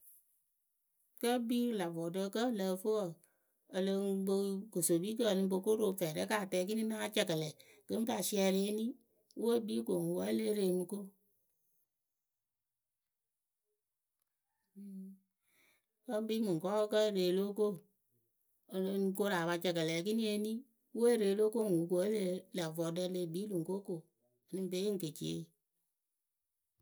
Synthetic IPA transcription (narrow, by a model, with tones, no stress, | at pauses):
kə˦bi˦la˨vɔː˨tə˦˧˦kə˦lə˧fo˦wə˨ | ə˧lə˧bə˧ko˨so˨biː˦k̬ə˦˨nɨ̃˧bo˧ko˦ɾo˧˨fɛː˨ɾə˦kaː˨tɛː˧˦ki˦nĩ˦na˦t͡ʃɛ˨kə˨lɛ˨ | kɨ˦ŋ˦ka˧˨si˧˦ɛ˧ɾe˦e˦nĩ˦ | wu˦o˦biː˦ko˨ŋ˨wa˦le˦ɾe˧˨mi˧ko˦˨ | kə˦bi˦mɨ˨ŋ˨kɔ˦kə˦˨ɾe˨lo˦ko˦˨ | n˧ko˦ɾa˨ba˧t͡ʃɛ˨kə˨lɛ˨kɨ˦ni˦e˦ni˦ | we˦ɾe˨lo˦ko˦˨ŋ˨u˨ko˨e˦le˦la˨vɔ˨də˧˦le˧˨bi˨˦lu˨ŋko˦ko˨ | nɨ˦m˦be˨˦i˦ŋ̩˦ke˨t͡ʃḛ˨˦˨